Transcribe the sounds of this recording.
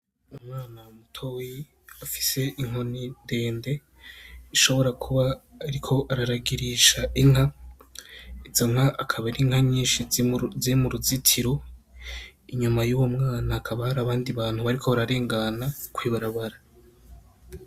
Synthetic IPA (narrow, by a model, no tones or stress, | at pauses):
umŋaːnamutʰoji | afi̥se̞ʔiŋ̥ɦo̞ninde̞ːnde̞ | iʃo̞βo̞ɾakʰuβaːɾikʰo̞ʔaɾaɾaɡiɾiʃaiŋ̥ɦa | izoŋ̥aʔːkʰaβaɾiŋ̥haɲiːnʃizimuɾuzitʰiɾo̞ | iɲumajuwomŋaːnakʰaβahaɾaβaːndiβaːn̥huβaɾikʰoβaɾaɾe̞ːŋɡanakwiːβaɾaβaɾa